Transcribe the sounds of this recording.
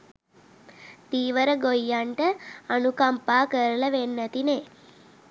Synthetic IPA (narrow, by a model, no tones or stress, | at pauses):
t̪iːʋəɾəɡojːaɳʈəɐnukɐmpaːkəɾlɐʋenːɐt̪ine